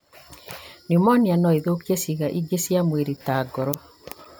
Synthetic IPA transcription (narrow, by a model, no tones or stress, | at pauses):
niomɔnjanɔiðokjesiɣaʔiɡesjamweɾitaːɡɔɾɔ